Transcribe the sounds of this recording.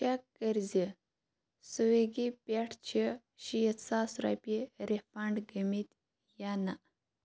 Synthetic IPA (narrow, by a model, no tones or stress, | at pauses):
ɕakːəɾd͡zə | səʋeɡipaʈʰt͡ɕʰə | ɕijət͡sasɾa̰piɾefãɳɖɡəmit̪ | jana